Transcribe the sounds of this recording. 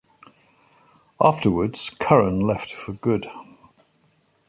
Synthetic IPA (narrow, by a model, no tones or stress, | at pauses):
ɑˑftəwədz̥kʰʌɹə̃nlɛftfəɡʊd̥